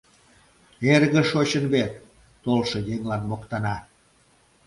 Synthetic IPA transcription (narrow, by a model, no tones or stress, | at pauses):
erɣəʃot͡ɕənβet̪̚ː | olʃɤjeŋlɑnmokt̪ɑnɑ